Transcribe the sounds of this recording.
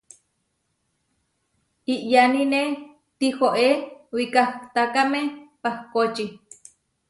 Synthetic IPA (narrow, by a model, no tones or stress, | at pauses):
iʔjanine | t̪ixoʔewikaht̪akamepahkot͡ʃi